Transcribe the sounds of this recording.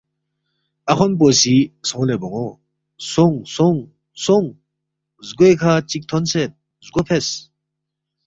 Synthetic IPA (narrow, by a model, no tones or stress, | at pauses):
akʰɔnp̬ɔsisɔŋlebɔŋɔ | sɔŋsɔŋ | sɔŋ | zɡuekʰat͡ʃik̚t̪ʰɔnset̪̚ | zɡɔpʰes